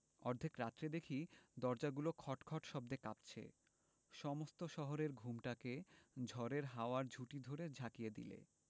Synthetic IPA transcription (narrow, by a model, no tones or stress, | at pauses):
ɔɾd̪ʱekɾat̪ːɾed̪ekʰid̪ɔɾd͡ʑaɡulokʰɔʈkʰɔʈʃɔb̚d̪ekapt͡ɕʰḛ | ʃɔmost̪oʃɔɦoɾeɾɡʱumʈaked͡ʑʱɔɾeɾɦaoaɾd͡ʑʱuʈid̪ʱoɾed͡ʑʱakijed̪ḭlḛ